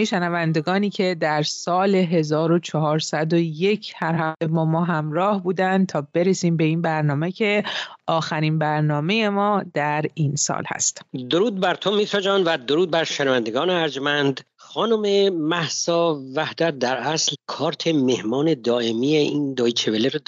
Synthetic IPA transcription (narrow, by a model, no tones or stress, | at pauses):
eʃenævænd̪e̞ɡɒːniːcʰe̞d̪æɾsɒːle̞ɦe̞zɒːɾo̞t͡ʃʰɒɦɒːɾsæd̪o̞je̞cʰhæɾhæt̪e̞bɒːmɒːɦæmɾɒːhbuːd̪ænd̪̚t̪ʰɒːbe̞ɾesiːmbe̞iːnbæɾnɒːme̞cʰe̞ʔɒːxæɾiːnbæɾnɒːme̞je̞mɒːd̪æɾiːnsɒ̰ːlhæ̰st̪d̪oɾuːd̪̚bæɾt̪ʰomiːt̪ʰɾɒd͡ʒɑnvæd̪oɾuːd̪̚bæɾʃenævænd̪eɡɒːneæɾd͡ʒmænd̪ | χɒːnomemæhsɒːvæhd̪æt̪̚d̪æɾæslkʰɒːɾt̪ʰe̞mehmɒːne̞d̪ɒːʔemijeiːnd̪ɒːit͡ʃʰeveleɾ